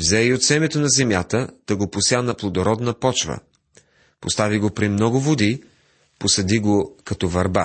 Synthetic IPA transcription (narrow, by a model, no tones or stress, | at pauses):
vzɛiot̪sɛmɛt̪onɐzɛmjat̪ət̪ɐɡopʊsjanɐplˠod̪oɾɔd̪nəpɔt͡ʃvə̰ | post̪aviɡopɾimnɔɡʊvod̪i | posɐd̪iɡokɐt̪ɔvɐɾba̰